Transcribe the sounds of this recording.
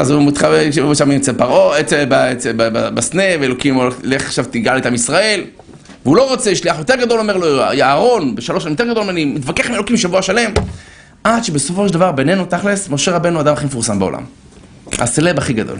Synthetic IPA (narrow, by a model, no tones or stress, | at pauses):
azumit̪χaeuʃamimt͡selpaʁoet͡sebaet͡sebabasne̞veelo̞kimoleleχaχʃavt̪iɡalet̪amisʁae̞l | veulo̞ʁo̞t͡seʃliaχjo̞t̪eɡad̪o̞luome̞ʁlojaːʁo̞nbeʃaloʃalemjote̞ɡadolmanimit̪vakeχmielokimʃavuaʃale̞m | ʔad̪ʃebe̞so̞fo̞ʃeldavaʁbe̞ne̞nut̪aχlesmo̞ʃeʁabe̞nuad̪amaχimefuʁsambeo̰la̰m | a̰selebaχiɡad̪o̰l